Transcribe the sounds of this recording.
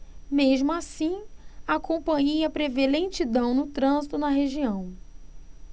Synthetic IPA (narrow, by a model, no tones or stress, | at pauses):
meʒmʊasĩakõpɐ̃ɲejɐpɾevelẽt͡ʃid̪ɐ̃w̃nʊt̪ɾɐ̃zit̪ʊnɐɦeʒiɐ̃w̃